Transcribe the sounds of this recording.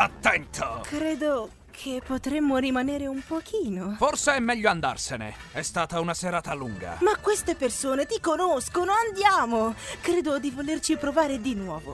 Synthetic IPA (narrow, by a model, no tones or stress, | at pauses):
at̪ːɛnt̪ʰokɾeːd̪o | kʰepːot̪ɾemːoɾimaneːɾeumpok̟ʰiːnoforseɛmːɛʎːoand̪a̰rsenḛ | ɛst̪aːt̪aunaseɾaːt̪aluŋɡa̰makːwest̪epersoːnet̪ikonoskonoand̪jaːmokɾeːd̪od̪ivolert͡ʃipɾovaːɾed̪inwɔːvo